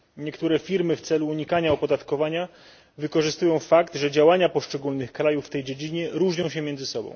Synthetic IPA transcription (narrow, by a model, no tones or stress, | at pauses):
ɲɛkt̪uɾɛfʲiɾmɘft̪sɛluːɲikaɲaɔpɔd̪at̪kɔvaɲa | vɘkɔʐɘst̪ujɔ̃w̃fakt̪ʐɛd͡ʑawaɲapɔʂt͡ʂɛɡulnɘxkɾajufːt̪ɛjd͡ʑed͡ʑiɲɛɾuʐɲɔ̃w̃ɕɛmʲjɛndzɘsɔbɔ̰̃w̃